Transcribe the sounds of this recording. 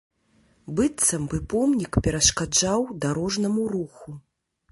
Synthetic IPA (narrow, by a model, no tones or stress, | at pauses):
bɨt̪sɐmbɨpɔmnʲikpʲɛɾɐʂkad͡ʐawd̪aɾɔʐnɐmuɾuxu